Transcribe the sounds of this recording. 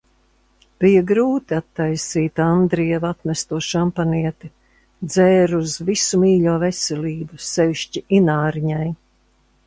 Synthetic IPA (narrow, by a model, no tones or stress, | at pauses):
b̥ijɐɡɾuːt̪iat̪ːajsiːt̪and̪ɾiɛvat̪mɛst̪uɔʃampaniɛt̪i | d̪zɛːɾuzvisumiːʎuɔvɛsɛlʲiːbusɛviʃt͡ʃiʔinaːɾiɲaj